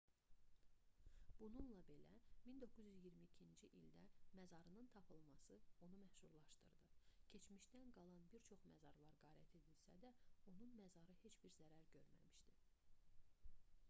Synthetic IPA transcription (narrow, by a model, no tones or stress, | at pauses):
b̥ununlˠɑbe̞læ̰mind̪o̞kʰːuzyzijiɾmiːcʰind͡ʒiʔild̪æmæzɑɾɯnɯnt̪ʰɑpʰɯlˠmɑsɯo̞numæhʃuɾlˠɑʃt̪ɯ̰ɾd̪ɯcʰe̞t͡ʃmiʃd̪ænɡɑlˠɑnbiɾt͡ʃʰo̞χmæ̰zɑɾlˠɑɾɡɑːɾæt̪ʰed̪ilsæ̰d̪æo̞nunmæzɑɾɯhe̞t͡ʃbiɾzæɾæɾɟø̞ɾmæ̰miʃt̪i